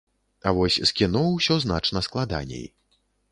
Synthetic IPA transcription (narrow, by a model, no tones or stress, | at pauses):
avɔsʲskʲinɔwsʲɔznat͡ʂnɐsklˠad̪a̰nʲḛj